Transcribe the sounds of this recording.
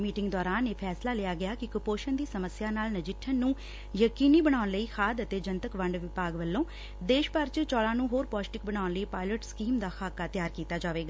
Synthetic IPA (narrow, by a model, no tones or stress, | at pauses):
miːʈɪŋɡd̪ɔːɾaːneːpʰɛːslaːlɪjaːɡɪjaːkɪkəpoːʃənd̪iːsəməsjaːnaːlnəd͡ʒɪʈʰːənːũː | jəkiːniːbəɽ̃aːʊnləiːxʰaːd̪ət̪eːd͡ʒənt̪əkʋəɳɖʋɪpaːɡʋəlːõː | d̪eːʃpəɾt͡ʃt͡ʃɔːlãːnũːɦoːɾpɔːsʈɪk̚bəɽaːʊnləiːpaːɪləʈskiːmd̪aːxʰaːkaːt̪ɪjaːɾkiːt̪aːd͡ʒaːʋeːɡaː